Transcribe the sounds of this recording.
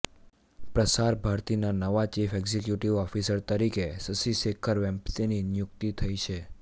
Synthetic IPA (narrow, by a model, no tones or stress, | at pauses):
pɾəsaɾbʱaɾt̪inanəʋat͡ʃifɛɡzekjuʈiʋɔfisəɾt̪əɾikesəsiʃekʰəɾʋɛ̃mpt̪ininjʊk̚t̪it̪ʰəjt͡ʃʰe